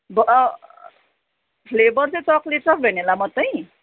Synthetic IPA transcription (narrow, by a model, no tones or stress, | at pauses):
bʌ | pʰlebʌrt͡sʌt͡sʌklet͡sʌkbʱenelamʌt̪ːʌj